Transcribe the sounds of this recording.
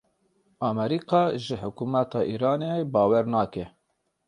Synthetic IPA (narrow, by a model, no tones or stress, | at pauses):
ɑːmɛɾiːqɑːʒɪħʊkumɛt̪ɑːʔiːɾɑːnebɑːwɛɾnɑːkɛ